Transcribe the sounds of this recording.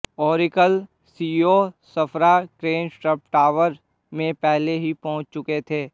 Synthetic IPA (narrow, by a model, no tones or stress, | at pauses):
ɔːɾɪkəl | siːosɐpʰɾakɾeːnsʈɾəpʈaːʋəɾ | mẽpɛɦleɦipɔ̃ɦʊ̃t͡ʃt͡ʃʊket̪ʰeː